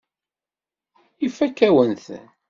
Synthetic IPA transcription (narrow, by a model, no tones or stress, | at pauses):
ifːækːæwənθ